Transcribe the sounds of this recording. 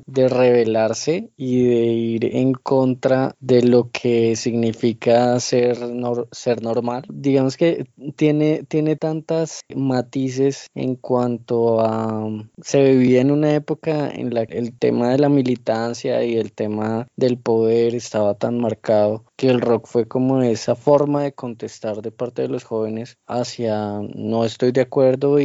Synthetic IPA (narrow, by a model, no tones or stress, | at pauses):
d̪e̞re̞β̞e̞laɾse̞iðe̞iɾḛŋko̞nt̪ɾaðe̞lo̞kʰesiɣnifikaseɾnoɾse̞ɾno̞ɾmald̪iɣamoske̞t̪je̞ne̞t̪je̞ne̞t̪ant̪asmat̪is̬e̞sḛŋkwant̪o̞a | se̞βiβiaenunae̞po̞kaḛnlaelt̪e̞̰maðe̞lamilit̪ansja̰ie̞lt̪e̞maðe̞lpo̞ðe̞ɾe̞st̪aβat̪anmaɾkaðo̞ke̞ːlro̞kfwe̞ko̞mo̞e̞safo̞ɾmaðe̞ko̞nt̪e̞st̪aɾd̪e̞paɾt̪e̞ðe̞lo̞sxo̞βe̞ne̞sasjano̞e̞st̪o̞jd̪eakwe̞ɾd̪o̞i